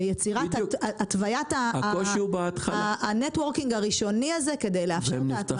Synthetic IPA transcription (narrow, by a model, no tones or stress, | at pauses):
jet͡siʁat̪atvajataakoʃiubaat̪χalanetwo̞ʁkiŋɡaʁiʃo̞niaze̞ke̞dejleafen